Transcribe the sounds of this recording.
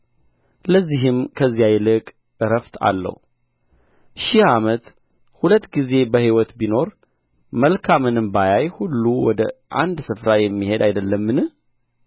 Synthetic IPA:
ləzːiɦɨmkʰəzːijajlɨkʼ | ɨɾəft̪ʰa̰lːə̰hu | ʃihamət̪ | hulət̪ːɡize̞bəhiwɔt̪bino̞ɾ | məlkʰamɨnɨmbajajhulːuwɔd̪əʔa̰nd̪sɨfɾajɛmːihe̞d̪ajd̪əlːəmːɨnɨh

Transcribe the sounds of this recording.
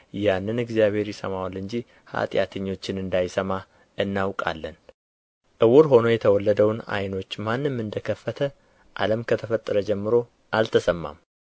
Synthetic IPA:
janːɨnɨɡzijaβhe̞ɾjɪsəmawalɨɲd͡ʒi | ha̰t̪ʼja̰t̪ʰəɲːo̞t͡ʃːɪnɨnd̪ajsəma | ɨnːawkʼa̰lːən | ʔɨwʊɾɦo̞no̞jɛt̪ʰəwɔlːəd̪əwna̰jno̞t͡ʃːmanːɨmːɨnd̪əkʰəfːət̪ʰə | ʔa̰ləmkʰət̪ʰəfət̪ʼːəɾəd͡ʒɛmːɨɾo̞ | ʔalt̪ʰəsəmːa̰m

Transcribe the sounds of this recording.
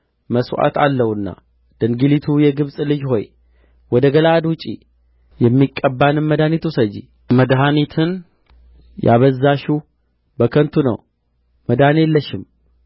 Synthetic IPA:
məswʔa̰t̪a̰lːəhɨnːa̰ | d̪̥əŋɡilit̪ʰujɛɡɨβsʼlɨd͡ʒho̞j | wɔd̪əɡəlad̪wut͡ʃʼi | jɛmːikʼːəbːanɨnməd̪anit̪ʰusəd͡ʒi | məd̪ɦanit̪ʰɨn | jʔa̰βəzːaʃu | bəkʰənt̪ʰunə̰w | məd̪anelːəʃɪm

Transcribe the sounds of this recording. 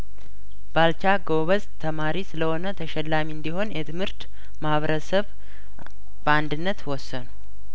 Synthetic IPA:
b̥alt͡ʃaɡoβəzt̪ʰəmaɾisɨləho̞nət̪ʰəʃɛlːamiɨnd̪iho̞njɛt̪ʰɨmhɨɾt̪ | mahβəɾəsəβ | bəand̪ɨnːət̪wɔsːənu

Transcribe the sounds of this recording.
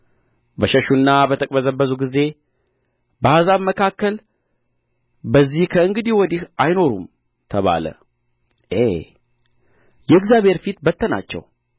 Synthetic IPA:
bəʃəʃunːabət̪ʰəkʼbəzəbːəzuɡize̞ | bəazaβməkʰakːəl | bəzːihkʰəɨŋɡɨd̪iwɔd̪ihʔajno̞ɾṵm | t̪ʰəβa̰lə̰ | ʔe | jɛɨɡzjaβe̞ɾfit̪bət̪ʰːəna̰t͡ʃːɛ̰w

